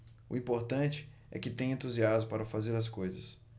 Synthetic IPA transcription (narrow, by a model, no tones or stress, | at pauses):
ʊ̰ĩpoɾt̪ɐ̃t͡ʃɪ̥ | ɛ̰kɪt̪ẽj̃ẽnt̪uziazmʊpaɾɐfazeɾɐskojzɐ̰s